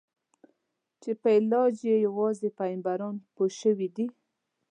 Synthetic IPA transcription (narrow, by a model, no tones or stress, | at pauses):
t͡ʃepəɪlɑd͡ʒjejawɑzepajmbaɾɑnpoʃəwid̪i